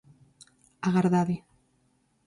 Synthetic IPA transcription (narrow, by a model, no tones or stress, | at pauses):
aɣaɾðaði